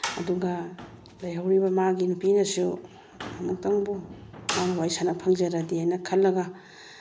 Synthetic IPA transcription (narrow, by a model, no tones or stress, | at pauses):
ɐ̰duɡɐ | lɐjhawɾibɐmaɡinupinɐsu | mɐmuk̚taŋbumanwajsanɐpʰɐŋd͡ʒɐɾɐdiajnɐkʰɐlːɐɡɐ